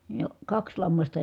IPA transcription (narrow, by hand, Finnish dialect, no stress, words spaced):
jɑ kɑks lɑmːɑstɑ